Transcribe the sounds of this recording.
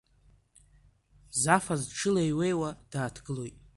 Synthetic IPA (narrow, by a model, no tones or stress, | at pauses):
zafazʈ͡ʂʰɨlejwe̞jwad̥aːtʰɡɨlo̞jtʼ